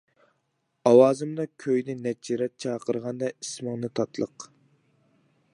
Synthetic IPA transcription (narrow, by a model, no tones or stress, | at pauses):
ɑwɑːzɨmd̪ɑkʲʰøjnɪnɛt͡ʃʰiɾɛt̪̚t͡ʃʰɑːqʰəɾʁɑnd̪ɑismɨŋnɨt̪ʰɑt̪ʰlˠəq